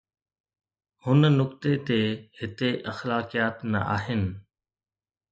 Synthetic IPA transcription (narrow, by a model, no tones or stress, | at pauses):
hʊnnʊkt̪et̪ehɪt̪eʔɐxlaːkijaːt̪nɐ̰ʔa̰ːɦɪnɪ̆